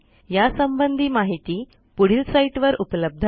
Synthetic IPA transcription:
jasəmbənd̪ʱiːmaɦit̪iː | puɽ̤iːlsaiʈʋəɾupləb̚d̪ʱ

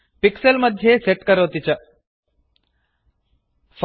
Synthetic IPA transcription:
piksɐlmɐd̪ʱjeːseʈkɐɾoːt̪it͡ʃɐ | fʰ

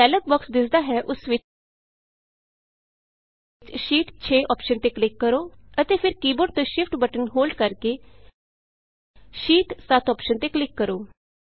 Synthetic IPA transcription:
ɛːlək̚bəksd̪ɪsd̪aːɦɛːʔʊsʋɪ | t͡ʃʃiːʈt͡ʃʰeːʔɔːpʃənt̪eːklɪkːəɾoːət̪eːpʰɪɾkiːboɾɖ̚t̪õːʃɪpʰʈbəʈənɦoːlɖkəɾkeː | ʃiːʈsat̪ʰɔːpʃənt̪eːklɪkːəɾoː

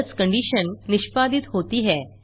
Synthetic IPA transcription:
t͡skəɳɖiɕənːiɕpad̪ʱiːt̪ɦot̪iːɦɛ

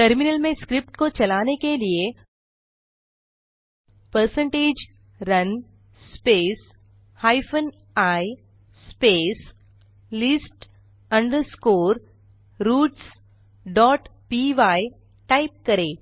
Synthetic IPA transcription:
ʈəɾmɪnəlmẽskɾɪp̚ʈkot͡ʃɐlaːnekelie | pəɾsə̃ɳʈeːd͡ʒ | ɾɐn | speːs | haːɪfən | aːi | speːs | lɪsʈ | ɐ̃ɳɖəɾskoːɾ | ɾuːʈs | ɖɔːʈpiːʋaːi | ʈaːɪp̚kɐɾeː

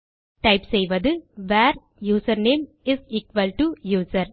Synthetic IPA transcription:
ʈɐɪpsɛjʋɐðɯʋæːɾ | juːsɐɾneːm | ɪziːkʋɐlʈujuːsɐɾ

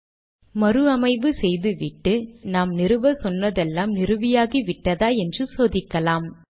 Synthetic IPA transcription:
mɐɾɯɐmɐɪʋɯsɛjðɯʋɪʈːɯnaːmnɪɾɯʋɐsɔnːɐðɛlːaːmnɪɾɯʋɪjaːɣiʋɪʈːɐðaːɛndrɯsoːðɪkːɐlaːm

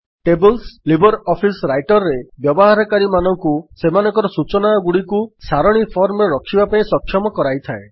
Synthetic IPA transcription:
ʈebɔlslibɔɾɔpʰisɾajʈɔɾːebjɔbɔɦaɾɔkaɾimanɔŋkusemanɔ̃ŋkɔɾɔsut͡ʃɔnaɔɡuɽikusaɾɔɽ̃ipʰɔɾmɔɾeɾɔkʰibapaĩsɔkʰːjɔmɔkɔɾajt̪ʰae

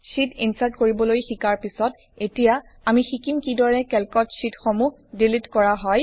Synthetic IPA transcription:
sitʰinsaɹtkoɹibɔlojxikaɹpisɔt | etija | amixikimkidɔɹɛkɛlkɔtsitxomu | dilitkɔɹaɦɔj

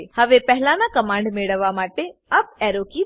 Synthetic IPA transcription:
hɐʋepɛɦɪlaːnãkɐmãːɳɖmeːɽəʋamaːʈeɐb̚ɛːɾoːki

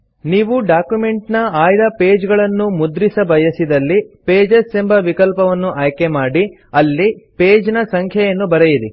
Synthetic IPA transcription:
niːʋuɖaːkjume̞ɳʈnɐaːjd̪ɐpeːd͡ʒɡɐɭɐnːumud̪ɾisɐbɐjɐsid̪ɐlːipeːd͡ʒɐsembʱɐʋikɐlpɐʋɐnːuʔaːjkemaːɽi | ɐlːipeːd͡ʒnɐsɐŋkʰjɐjɐnːubɐɾejiɾi

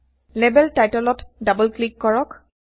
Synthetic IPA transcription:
lebɛltajtɔlɔtdabɔlklikːɔɹɔk

